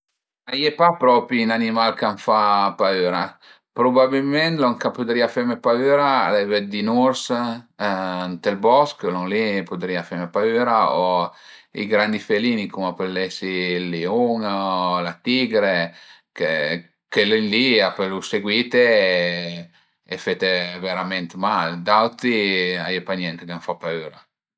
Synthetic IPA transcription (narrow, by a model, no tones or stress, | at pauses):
ajepapɾɔːpiːnanimalkaɱfapaøːɾa | pɾobabilment̪loŋkapud̪ɾiafemepaøɾa̰ːlevɛd̪inuɾs | nt̪elbɔsklɔŋlipod̪ɾiafɛmepaøːɾao | ḭɡɾand̪ifeliːnikumapelːesilːiuŋlat̪iɡɾe | ke | kelenliapeluseɡwiːt̪e | efet̪eveɾament̪mald̪awt̪ɾiajepaɲɛnt̪kanfapːayːɾa